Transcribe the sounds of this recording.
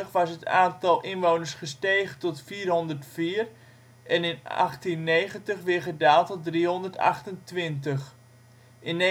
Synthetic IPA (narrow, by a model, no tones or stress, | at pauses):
əχʋɑsɦətaːntɑlˠʔɪnʋownəɹsχəsteːχətɔtfiːrɦɔndərtfiːər | ɛnɪnɑ̰χtinːejχəntəχʋɪχədaːlˠtɔtdriɦɔndərtɑ̰χtəntʋɪntəχ | ʔɪnːe